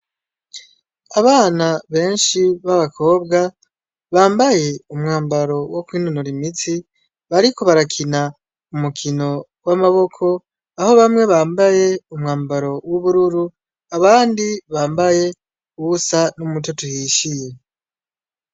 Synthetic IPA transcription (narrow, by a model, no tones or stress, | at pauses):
aβaːnaβe̞ːnʃiβaβakʰo̞ːbɡa | βaːmbaje̞umŋaːmbaɾo̞wo̞kwiːnunuɾimit͡si | βaɾiko̞βaɾakʰina | umukʰino̞ | wamaβo̞kʰo̞ | aho̞βamŋe̞βaːmbaje̞umŋaːmbaɾo̞wuβuɾuɾu | aβaːndiβaːmbaje̞ | uβusanumutotuhiʃije̞